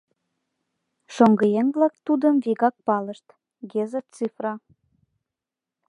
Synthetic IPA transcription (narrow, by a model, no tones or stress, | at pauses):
ʃoŋɡəjeŋvlɑk̚t̪ud̪ə̆mviɣɑk̚pɑlə̆ʃt̪ | ɡezet͡sifrɑ